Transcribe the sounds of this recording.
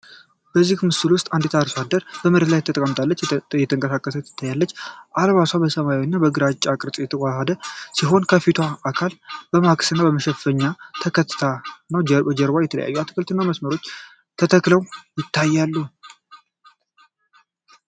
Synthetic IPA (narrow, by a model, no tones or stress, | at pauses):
bəzːihmɨsɨlwʊst̪ʼand̪et̪ʰaɾswad̪əɾbəmɨɾet̪lajt̪ʰət̪əkʼəmt̪ʰʼalːət͡ʃːjɛt̪ʰəŋkʼəsakʼːəsəjɛt̪ʰːə̥t̪ʰːajːalːət͡ʃːʔalβaswabəsəmajwnːabəɡɨɾat͡ʃʼːakʼɾtʼjɛt̪ʰəwʷʼahad̪əsiɦo̞nkʰəfit̪ʰaʔːkʰalb̥əmakʼsɨnːabəməʃɛfəɲːat̪ʰəkʰət̪ʰːɨ̥t̪ʰanːəwbəd͡ʒəɾbajɛt̪ʰələ̰ja̰jːuat̪ʰɨ̥kʰəlt̪ʰɨnːaməsməɾo̞t͡ʃː | t̪ʰət̪ʰəkləwjɪt̪ʰːajːalːu